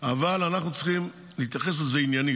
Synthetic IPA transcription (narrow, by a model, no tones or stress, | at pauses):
avalanaχnut͡sχim | liit̪jaχes̬lezeinjani